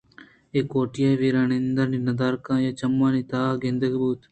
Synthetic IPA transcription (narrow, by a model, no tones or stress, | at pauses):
eːkoːʈɪjaːiʋiːɾaːnend̪əɾninɐd̪aːɾkãːjaːt͡ʃɐmːaːnit̪aːɡẽnd̪əkbuːt̪